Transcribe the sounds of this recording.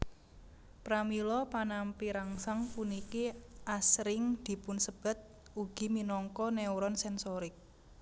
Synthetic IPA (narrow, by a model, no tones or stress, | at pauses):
pɾamilɔpanampiɾaŋsaŋpunikiʔasɾɪŋd̪̥i̤pʊnsəb̥ə̤t̪̚ | uɡ̥i̤minɔŋkɔnɛwɾɔnsɛnsɔɾɪk̚